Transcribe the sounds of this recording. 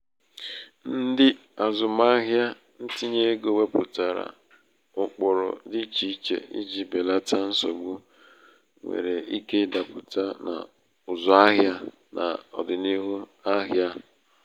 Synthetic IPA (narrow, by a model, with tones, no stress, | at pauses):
n̩˦dɪ˦ | a˨zʊ˨ma˦ɦja˦ | n̩˦ti˦ɲe˦ɡo˨we˦pʊ˨ta˨ɾa̰˨ | ʊ˨k͡pɔ˨ɾɔ̰˨dɪ˦t͡ʃi˦t͡ʃḛ˨ḭ˦d͡ʒi˦be˨la˦ta˦n̩˦so˨ɡ͡bu˦ | ŋʷḛ˨ɾe˨i˦ke˦da˨pʊ˨ta˦na̰˨ | ʊ˨zɔ˨a˦ɦja˦ | nʔa̰˨ɔ̰˨dɪ˨ni˦ɦu˦a˦ɦja˦